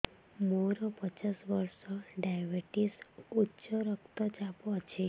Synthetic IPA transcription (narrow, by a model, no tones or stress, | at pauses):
moɾɔpət͡ʃasʋəɾsɔɖajbeʈisutːt͡ʃɔɾəkt̪ɔd͡ʒapɔt͡ʃʰe